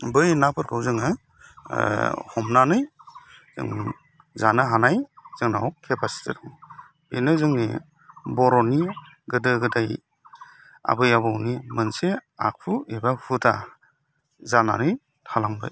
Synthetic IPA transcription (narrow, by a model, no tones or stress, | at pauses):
bɯjnapʰɯɾkʰɯwzɯŋɯ | hɔmnanɯjz̥ɯ̰ŋ | zanɯɦanajz̥ɯŋnawkʰːepʰasi̥tʰetɔŋ | ḛnɯzɯŋni | bɔɾɔni | ɡɯdɯɡɯdaj | a̰bɯjabɔwnimɯnsea̰k̚ʰuebahutʰa̰ | zana̰nɯj | tʰalaŋbɯ̰j